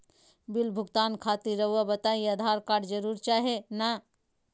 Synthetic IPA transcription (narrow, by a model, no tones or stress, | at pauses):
bɪlbʱʊɡt̪aːnkʰaːt̪iɾːɐɦabɐt̪aːiɐd̪ʱaːɾkaːɖd͡ʒəɾuːɾt͡ʃaːɦena